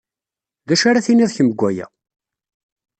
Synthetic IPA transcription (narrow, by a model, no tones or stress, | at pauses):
ðæʃaɾaθiniðˤçəməɡʷːæjæ̰